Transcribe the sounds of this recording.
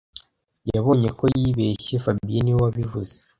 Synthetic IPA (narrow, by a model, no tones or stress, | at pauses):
jaβo̞ːɲe̞ko̞jjiβe̞ːʃefabiiniwaβivuze̥